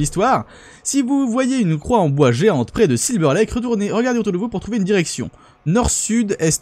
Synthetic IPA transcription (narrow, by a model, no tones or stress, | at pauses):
list̪waːʁ | sivuvwajeynkχwaɑ̃bwaʒeɑ̃t̪pχɛd̪əsilbœʁlɛkʁət̪uʁneʁəɡaʁd̪eot̪uʁd̪əvupuʁt̪χuveynd̪iʁɛksjɔ̰̃ | nɔʁsyd̪ɛst̪